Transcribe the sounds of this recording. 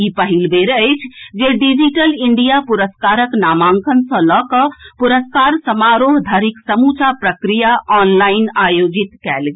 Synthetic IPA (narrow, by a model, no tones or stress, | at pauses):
ipəɦilbeɾəɪt͡ʃʰd͡ʒeɖid͡ʒiʈəliɳɖijapuɾəskaɾəknamãŋkʰənsə̃lɔkəpuɾəskaɾsəmaɾoɦd̪ʱaɾiksəmut͡ʃʰapɾəkɾijaʔɔnlainajod͡ʒit̪kɛlɡe